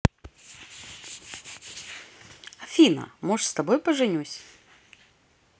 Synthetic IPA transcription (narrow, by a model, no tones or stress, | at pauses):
ɐfʲinɐ̰mɔʂst̪ɐbojpəʐɨnʲusʲ